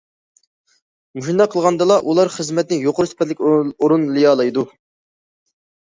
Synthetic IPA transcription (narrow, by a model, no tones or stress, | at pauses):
muʃind̪ɑqʰːəlˠʁɑnd̪ɨlˠɑʔulˠɑɾχəzmɛt̪̚nɪjoqʊɾusɪ̥pʰɛt̪̬lɪkʲoɾunlˠɨjɑːlˠɑjd̪u